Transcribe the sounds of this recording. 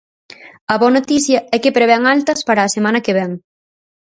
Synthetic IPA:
ɐβɔɐnot̪iθjɐɛkepɾeβ̞ɛŋalt̪ɐspaɾɐːsemanɐkeβ̞ɛŋ

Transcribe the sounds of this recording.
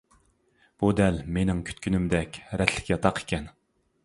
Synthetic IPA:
b̥ud̪ɛlmenɪŋkʲʰy̥t̪kʲynymd̪ɛkʲɾɛt̪ʰlɪ̥kʲjɑt̪ʰɑqe̥kʲʰɛn

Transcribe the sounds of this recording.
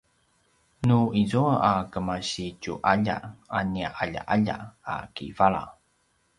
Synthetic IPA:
nuizuaʔakəmaɕicuʔaʎa̰aniaʔaʎa̰ʔaʎa̰a̰kivaɭa̰

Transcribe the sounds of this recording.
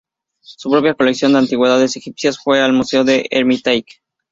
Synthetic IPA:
supɾo̞pjako̞leksjo̞nd̪e̞ant̪iɣwe̞ðaðe̞sexipsjasfwe̞almuse̞oðe̞ʔeɾmit̪ajk

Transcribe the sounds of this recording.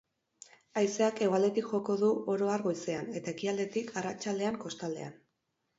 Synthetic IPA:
ajse̞ake̞ɣoald̪e̞t̪ikʝo̞ko̞ðuoɾo̞aɾɣojse̞ane̞t̪ae̞kiald̪e̞t̪ikʰarat͡ʃald̪e̞aŋko̞st̪ald̪e̞̰a̰n

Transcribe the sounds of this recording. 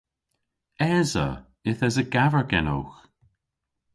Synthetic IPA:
ɛːzə̰ | ɪθəzəɡavəɹɡɛno̰wx

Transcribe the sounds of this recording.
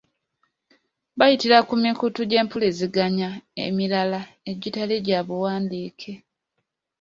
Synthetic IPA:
βajitiɾakumikutuɟe̞ːmpuleziɡaɲaḛmilala | e̞ɟitaleɟaːβuwaːndiːkʰe̞

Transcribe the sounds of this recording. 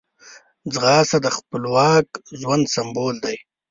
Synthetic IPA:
d͡zɣɑːsad̪əxpəlwɑːkʒwand̪samboːld̪aj

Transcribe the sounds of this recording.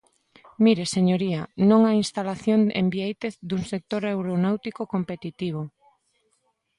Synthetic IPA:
miɾeseɲoɾianõŋainst̪alaθjoŋḛmbiejt̪eθd̪uŋsek̚t̪oɾewɾonawt̪ikokompet̪it̪iβ̞o

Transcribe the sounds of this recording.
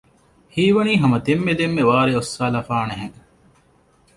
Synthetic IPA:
hiːʋɐniːɦɐmɐd̪emːed̪emːeʋaːɾeosːaːlɐfaːneɦeŋ

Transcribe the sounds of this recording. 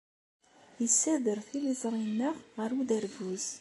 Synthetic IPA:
jəsːæðəɾθilizˤɾˤinːəʁʁəɾud̪æɾvuz

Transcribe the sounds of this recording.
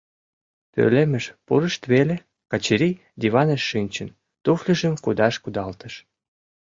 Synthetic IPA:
t̪ø̰lemə̆ʃpṵɾə̆ʃt̪βele | kɑt͡ɕiɾʲi | d̪ʲiβɑneʃːɨnʲt͡ɕən | t̪uflʲəʒə̆mkud̪ɑʃkud̪ɑlt̪ə̆ʃ

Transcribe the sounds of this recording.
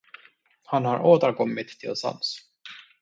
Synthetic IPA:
hanhaɾʔoːt̪əɾkʰɔmːɪt̪ʰːɪlsa̰ms

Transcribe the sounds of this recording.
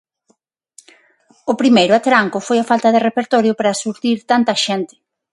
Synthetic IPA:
ʊpɾimejɾʊat̪ɾaŋkʊfojafalt̪ɐðerepeɾt̪ɔɾjʊpɾasuɾt̪iɾt̪ant̪ɐʃɛnt̪ɪ̥

